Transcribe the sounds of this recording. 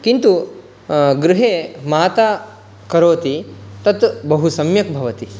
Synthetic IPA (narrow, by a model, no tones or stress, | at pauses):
kint̪u | ɡɾɪɦeːmaːt̪aː | kɐɾoːt̪it̪ɐt̪bɐɦusɐmjɐk̚bʱɐʋɐt̪i